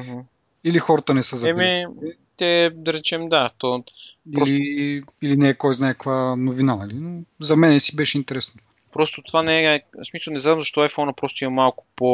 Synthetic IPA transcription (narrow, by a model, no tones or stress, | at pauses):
ɦ̩ | ilixɔɾət̪ənɛsəzɐɛmi | t̪ɛd̪ɐɾɛt͡ʃɛmd̪at̪oiɾɔliilinɛːkɔjznaɛkəkvanovinanɐlinozɐmɛnɛsibɛʃɛint̪ɛɾɛsno | pɾɔst̪ot̪ovanɛsmisəlˠnɛzad̪mzɐʃt̪ɔajfɔnəpɾɔst̪ʊimɐmalˠkʊ̥po